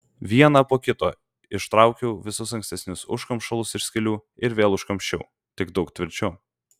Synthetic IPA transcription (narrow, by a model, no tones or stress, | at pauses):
ʋʲiɛnɐpoːkʲɪt̪o̰ː | ɪʃt̪ɾɑˑʊkʲɛʊʋʲɪsʊsɐŋksʲt̪ʲɛsʲnʲʊsʊ̰ʃkɐmpʃɐlˠʊsɪʃsʲkʲɪlʲuːɪɾʋʲeːlˠʊʃkɐmʲʃʲt͡ʃʲɛ̰ʊ | t̪ʲɪɡd̪ɒʊkt̪ʲʋʲɪɾʲt͡ʃʲʊ